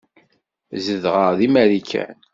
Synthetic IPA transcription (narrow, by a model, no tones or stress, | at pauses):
zəðʁəʁðimæɾikʰæ̰n